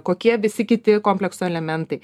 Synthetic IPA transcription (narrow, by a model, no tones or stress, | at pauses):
koːkʲiɛʋʲɪsʲɪkʲɪt̪ʲɪkoːmʲpʲlʲɛksʊɛlʲɛmʲɛnt̪ɐɪ